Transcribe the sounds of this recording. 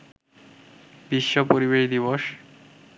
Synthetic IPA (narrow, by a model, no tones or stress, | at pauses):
biʃːopoɾibeʃd̪iβoʃ